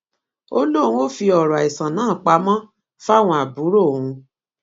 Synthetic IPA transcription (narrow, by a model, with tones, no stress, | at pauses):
o˧lõ˦˨ũ˧o˦˨fi˧ɔ˨ɾɔ˨a˨i˨sã˨nãː˦˨k͡pa˧mã˦ | fa˦˨w̃ɔ̃˧a˨bu˨˦ɾo˦˨ũ˧